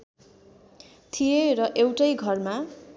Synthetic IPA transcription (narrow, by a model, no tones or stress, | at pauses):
t̪ʰijerʌʔewʈʌjɡʱʌrma